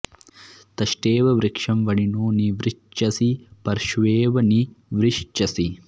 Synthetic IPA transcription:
t̪ɐʃʈeːʋɐʋɾikʂɐmʋɐɽinoːniʋɾiʃt͡ʃɐsipɐɾʃʋeːʋɐniʋɾiʂt͡ʃɐsi

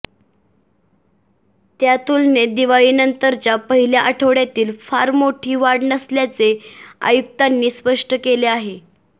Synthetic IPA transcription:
t̪jat̪uːlned̪iʋaɭiːnənt̪əɾt͡ɕjapəɦiljaʔaʈʰəʋɽjat̪iːlfaɾmoʈʰiːʋaɽnəsljat͡sea̰juk̚t̪anːiːspəʂʈəkeleaɦe

